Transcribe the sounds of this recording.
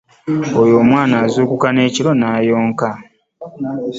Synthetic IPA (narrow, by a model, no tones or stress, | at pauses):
ojo̞ːmwaːnaːzuːkukane̞ːcilo̞naːjo̞ːŋka